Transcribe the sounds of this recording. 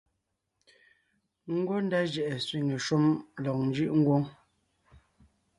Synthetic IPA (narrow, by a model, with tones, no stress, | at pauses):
ŋ̩˦ɡwo˦n̩˦da˦d͡ʒɛ˨ʔɛ˨sɥi˨ŋe˨ʃu˦mlɔ˨k̚n̩˦d͡ʒi˦ʔŋ̩˦ɡwo˦ŋ